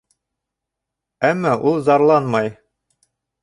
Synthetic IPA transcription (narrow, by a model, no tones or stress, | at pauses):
æmːɑʔulˠzɑɾlˠɑnmɑj